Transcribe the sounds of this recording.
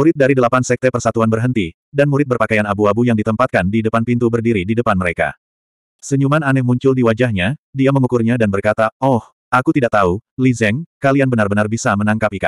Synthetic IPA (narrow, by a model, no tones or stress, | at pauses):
muɾɪt̪̚daɾidəlapansɛk̚t̪ɛpərsat̪uanbərɦənt̪i | danmuɾɪt̪̚bərpakajanabuabujaŋdit̪əmpat̪̚kandidəpanpint̪ubərdiɾididəpanməɾeka̰ | səɲumananɛhmuɲt͡ʃʊldiwad͡ʒahɲadiaməŋukurɲadanbərkat̪aɔh | ʔakut̪idaʔ̚t̪aulizɛŋkalianbənarbənarbisamənaŋkapika̰